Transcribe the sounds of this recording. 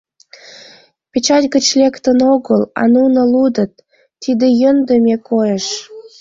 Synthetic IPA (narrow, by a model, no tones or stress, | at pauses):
pʲet͡ɕɑtʲɡə̆t͡ɕlʲekt̪ə̆noɡəlɑ̰nunə̆lud̪ə̆t̪ː | id̪ejə̆nd̪ə̆mʲekojeʃ